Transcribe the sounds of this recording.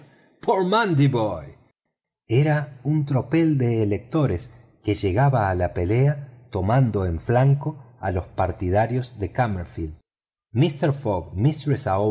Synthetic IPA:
pʰoɾmãnd̪iβoj | eɾaunt̪ɾo̞pe̞ld̪eːlek̚t̪o̞ɾes | keʒe̞ɣaβaːlape̞le̞at̪o̞mãnd̪o̞eɱflaŋko̞a̰lo̞spaɾt̪ið̞aɾjo̞zðe̞kameɾfild̪ | mist̪eɾfoɣmist̪ɾesao

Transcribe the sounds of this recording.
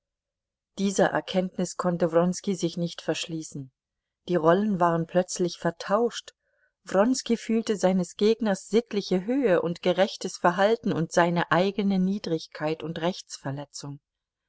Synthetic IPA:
d̥iːzɐʔɛ̰ɐkʰɛntnɪskʰɔntəvʁɔnskizɪçnɪçtfɛɐʃliːsn̩ | d̥iːʁɔlənvaːʁ̞ənpʰl̥œt͡slɪçfɛɐtʰaʊʃt | v̥ʁɔnskifyːltəzaɪnəsɡ̥eːɡnɐsz̥ɪtʰlɪçəɦøːəʔʊntɡ̥əʁɛçtəsfɛɐɦaltn̩ʊntz̥aɪnəʔaɪɡənəniːdʁɪçkʰaɪtʊntʁɛçt͡sfɛɐlɛt͡sʊŋ

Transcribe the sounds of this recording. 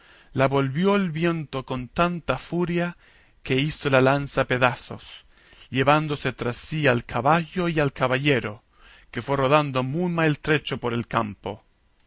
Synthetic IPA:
laβo̞lβjoelβje̞nt̪oko̞nt̪ant̪afuɾja | ke̞isolalansapeðaso̞̰s | ʎeβand̪ose̞t̪ɾasːialkʰaβaʝo̞ialkaβaʎe̞ɾo | kefwe̞roð̞and̪omujmaelt̪ɾet͡ʃopoɾe̞lkampo

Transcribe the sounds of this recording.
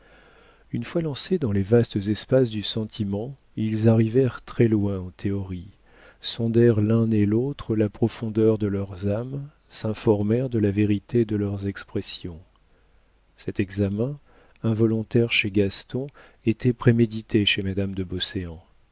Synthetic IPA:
ynfwalɑ̃sed̪ɑ̃levast̪əzɛspasd̪ysɑ̃t̪ʰimɑ̃ | ilzaʁivɛʁt̪χɛlwɛ̃ɑ̃t̪ʰeɔʁi | sɔ̃d̪ɛʁlɛ̃nelot̪χəlapχɔfɔ̃d̪œʁd̪əlœʁzam | sɛ̃fɔʁmɛʁd̪əlaveʁit̪ed̪əlœʁzɛkspχesjɔ̃ | sɛt̪ɛɡzamɛ̃ | ɛ̃vɔlɔ̃t̪ɛʁʃeɡast̪ɔ̃ | et̪ʰɛpχemed̪it̪ʰeʃemad̪amd̪əbɔseɑ̃

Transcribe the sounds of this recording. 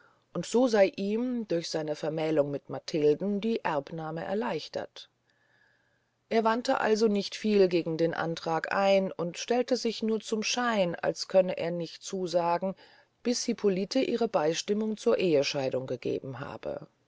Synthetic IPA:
ʔʊntz̥oːzaɪʔiːmd̥ʊɐçz̥aɪnəfɛɐmɛːlʊŋmɪtmatʰɪldn̩diːʔɛɐpnaːməʔɛ̰ɐlaɪçtɐ̰t | ʔeːɐvantə̰ʔa̰lzonɪçtfiːlɡeːɡŋ̩deːnʔa̰ntʁ̥aːkʔa̰ɪnʊntʃtɛltəzɪçnuːɐt͡sʊmʃaɪna̰lskʰœnəʔḛːɐnɪçt̚t͡suːzaːɡŋ̩ | b̥ɪsipʰolitʰəʔiːʁ̞əbaɪʃtɪmʊŋt͡suːɐʔeːəʃaɪdʊŋɡəɡḛːbm̩ɦa̰ːb̥ə̰

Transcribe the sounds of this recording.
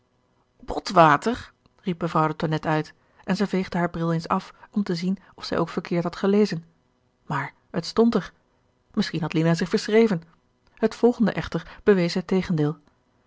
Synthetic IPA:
bɔtʋaːtəɹ | rip̚məvrɑwdətɔnɛtœɥt | ʔɛnzɛjvejχdəɦaːɹbrɪlˠejnsɑfɔmtəzin | ɔfsɛ̰jʔowkfəɹkʰɪːɹtɦɑtχəlejzən | maːɹ | ətstɔntəɹ | mɪsχinɦɑtlinazɪχfəɹsrejvən | hətfɔlˠχəndə̰ʔɛχtəɹb̥əʋejsɛjtejχəndɪːlˠ

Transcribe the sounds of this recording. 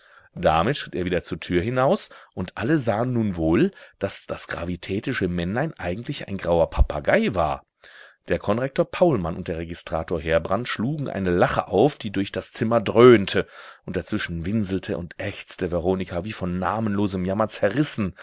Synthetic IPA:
d̥amɪtʃʁ̥ɪteːɐviːdɐt͡suːɐtʰyːɐhɪnaʊsʔʊntʔaləzaːənːuːnvoːld̥asd̥asɡ̥ʁa̰vitʰɛːtɪʃəmɛnlaɪnʔaɪɡŋ̩tʰlɪça̰ɪnɡʁaʊɐpʰapʰaɡaɪva̰ːɐ | d̥eːɐkʰɔnʁɛk̚toːɐpʰaʊlmanʊnt̚d̥eːɐʁeɡɪstʁ̥aːtoːɐɦeːɐbʁantʃluːɡŋ̩ʔa̰ɪnəlaχə̰ʔa̰ʊfd̥iːdʊɐçd̥ast͡sɪmɐdʁøːntʰəʔʊnt̚d̥at͡sv̥ɪʃn̩vɪnzl̩tʰəʔʊntʔɛçt͡stəvɛʁoːnɪkʰaviːfɔnːaːmənloːzəmjamɐt͡sɛɐʁɪsn̩

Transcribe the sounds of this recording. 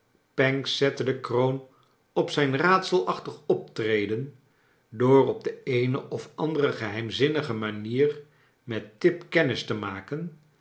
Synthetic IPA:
pɛŋsɛtədəkrown | ɔpsɛjnraːtsəlˠɑχtəχɔp̚trejdən | doːrɔb̚dəejnəʔɔfɑ̰ndərəχəɦɛjmzɪnəχəmaniːr | mɛtɪpkɛnɪstəmaːkən

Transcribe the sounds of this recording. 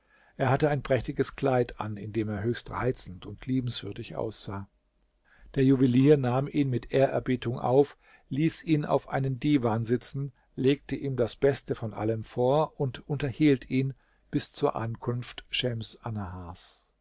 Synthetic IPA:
ʔeːɐhatəaɪnpʁ̥ɛçtɪɡəskl̥aɪtʰa̰nɪndeːmeːɐɦøːçstʁa̰ɪt͡sn̩tʊntʰliːbm̩sv̥ʏɐdɪçʔa̰ʊsz̥aː | d̥eːɐjuvɪliːɐnaːmiːnmɪtʰʔeːɐʔɛɐbiːtʰʊŋʔa̰ʊf | liːsiːna̰ʊfʔa̰ɪnəndiːvaːnzɪt͡sn̩ | leːk̚təʔiːmdasb̥ɛstəfɔnʔa̰ləmfoːɐʊntʊntɐhiːltʰiːn | b̥ɪst͡suːɐʔankʰʊnftʃɛmsʔanahaːs

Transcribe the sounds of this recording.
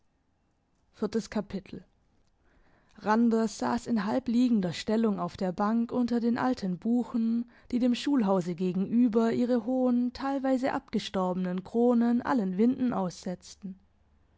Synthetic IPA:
fɪɐtəskʰapʰɪtʰl̩ | ʁandɐsz̥a̰ːsɪnɦalpliːɡŋ̩dɐʃtɛlʊŋaʊfd̥eːɐbaŋkʔʊntɐdeːnʔa̰ltʰənbuːxn̩ | d̥iːdeːmʃuːlɦaʊzəɡeːɡŋ̩ʔyːbɐʔiːʁ̞əɦoːəntʰaɪlvaɪzəʔa̰pɡ̥əʃtɔɐbənənkʁ̥oːnənʔa̰lənvɪndn̩ʔaʊsz̥ɛt͡stn̩

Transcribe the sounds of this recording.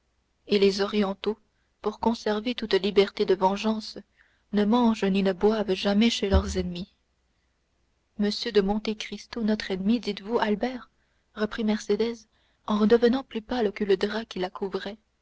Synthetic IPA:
elezɔʁjɑ̃t̪o | puʁkɔ̃sɛʁvet̪ut̪libɛʁt̪ed̪əvɑ̃ʒɑ̃s | nəmɑ̃ʒninəbwavʒamɛʃelœʁzɛnmi | məsjød̪əmɔ̃t̪ekχist̪onɔt̪χɛnmid̪it̪vualbɛʁ | ʁəpχimɛʁsed̪ɛz | ɑ̃ʁəd̪əvənɑ̃plypalkələd̪ʁakʲilakʰuvʁɛ

